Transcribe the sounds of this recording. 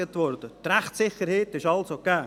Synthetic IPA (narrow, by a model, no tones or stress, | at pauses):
ətʋɔɾd̥ət̪ɾɛχtsɪχəɾheːtɪʃɑlsokaː